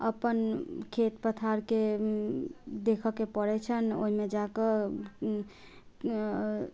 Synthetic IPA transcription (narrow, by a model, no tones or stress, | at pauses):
əpənkʰet̪pət̪ʰaɾke | d̪ekʰəkepəɽɛt͡ʃʰəno̰ɦimed͡ʒakə